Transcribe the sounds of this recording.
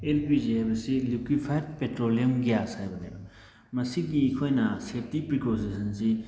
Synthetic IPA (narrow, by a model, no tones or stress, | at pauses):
elpid͡ʒebɐsilukipʰajd̚petɾoliɐmɡjasajbɐnebɐ | mɐsiɡiːkʰojnɐsetipɾikosisɐnsi